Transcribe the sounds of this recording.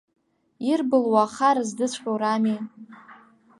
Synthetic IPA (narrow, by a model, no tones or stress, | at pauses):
irbɨlwaχaɾɨzdɨt͡sʷʰʼχʲʼowrami